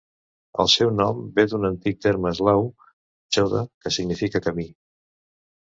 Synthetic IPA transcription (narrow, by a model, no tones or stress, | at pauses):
ə̰lˠsɛwnɔmbed̪unənt̪ik̚t̪eɾməzlaw | t͡ʃoðə̰kəsiɡnifikəkəmi